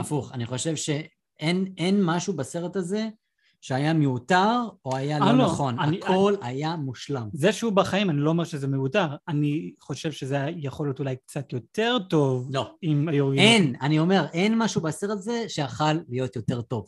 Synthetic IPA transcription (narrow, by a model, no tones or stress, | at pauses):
afuχaniχo̞ʃe̞vʃe̞ | enenmaʃubase̞ʁetaze̞ | ʃeajameutaʁo̞ajaloaloaχo̞nanikʰo̞lajamuʃlamzeʃeubaχaimanilo̞ome̞ʁʃezemeutaʁaniχo̞ʃe̞vʃezejeχo̞ljot̪ulajk̚t͡sat̪jo̞te̞ʁto̞vlo̞imajoʁɡienanio̞me̞ʁʔe̞nmaʃubaseʁet̪azeʃeaχalːijo̞t̪jo̞te̞ʁto̞v